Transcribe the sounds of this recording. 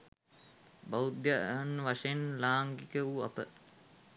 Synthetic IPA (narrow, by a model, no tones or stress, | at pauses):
baud̪janʋaʂenlaːŋɡikəua̰pə